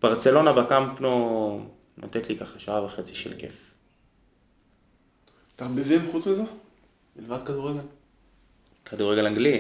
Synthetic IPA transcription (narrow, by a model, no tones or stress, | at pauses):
b̥aʁt͡selo̞nabakampno | nʔo̰t̪etlikaχaʃaavaχet͡siʃḛlkḛf | t̪aʁbivimχut͡smize | ilvad̪kad̪uʁːeɡel | kʰad̪uʁeɡelaŋɡli